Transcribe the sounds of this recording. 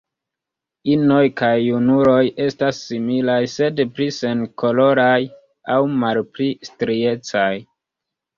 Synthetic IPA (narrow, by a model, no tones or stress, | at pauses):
ino̞jkajːunuɾo̞je̞stasːimilajse̞dplise̞nko̞lo̞ɾaj | awmalplistɾie̞t͡saj